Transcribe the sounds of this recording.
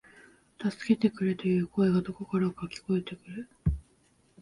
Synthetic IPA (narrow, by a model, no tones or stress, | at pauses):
t̪asɨ̥ke̞t̪e̞kɯ̟ɾet̪ojɯ̟ːko̞e̞ɡad̪o̞ko̞kaɾaokakʲi̥ko̞e̞t̪e̞kɯ̟ɾɯ